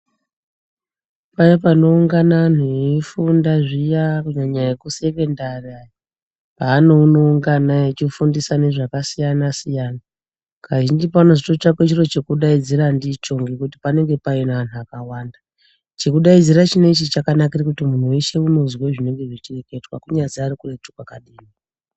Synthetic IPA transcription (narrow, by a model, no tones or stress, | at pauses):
paipano̞uŋɡanan̤ujeifundaʐijakuɲaɲajekuse̞ke̞ndariaji | paːnouno̞uŋɡanaet͡ʃifundisane̞ʐakasijanasijaːna | kʰaʒind͡ʒipano̞ʐito̞t͡ʃakwet͡ʃiro̞t͡ʃekuɗaid͡ziɾandit͡ʃo̞ŋɡekuti̥pane̞ŋɡe̞painaʋan̤uakawaːnda | t͡ʃekuɗaid͡ziɾat͡ʃine̞it͡ʃit͡ʃakanakirikutimun̤ueʃe̞uno̞zweʐine̞ŋɡe̞ʐit͡ʃireketwa̰kuɲaziarikuretukwakaɗiːni